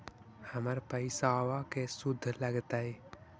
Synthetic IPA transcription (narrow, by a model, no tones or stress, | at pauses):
həməɾpəɪsaːʋakesʊd̪ʱːləɡt̪ae